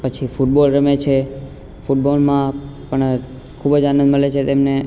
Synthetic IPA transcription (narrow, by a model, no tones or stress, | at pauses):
pət͡ʃʰifuʈ̚bolɾəmet͡ʃʰe | fuʈbolmãpəɳ | kʰubəd͡ʒanə̃nd̪məlet͡ʃʰet̪emne